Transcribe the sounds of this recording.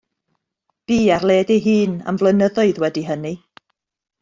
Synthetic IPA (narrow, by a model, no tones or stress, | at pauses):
b̥iːarlˠeːdeɦɨːna̰mvlˠənəðɔɨðwɛdiɦəni